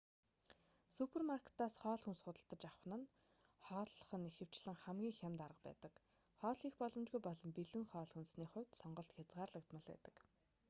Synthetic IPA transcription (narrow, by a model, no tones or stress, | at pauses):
supʰermarkʰe̥t̪aːsχɔːɮxunsχʊt̪ə̆ɬt̪ə̆t͡ɕawχ̆nə̆n | χɔːɮɮə̥̆χə̆nixɘ̆w̥t͡ɕɮ̥ɘ̆ŋχæmɡʲiːŋxʲamʲt̪aɾə̆qpæ̰ːt̪ə̆k | χɔːɮiːxpɔɮɞ̆mt͡ɕɣujpɔɮɞ̆mpiɮɘ̆ŋχɔːɮxunsniːχʊ̟wʲt̪sɔɴɢɞ̆ɬt̪xʲat͡sʁaːrɮə̆k̚t̪mə̆ɮæ̰t̪ə̆k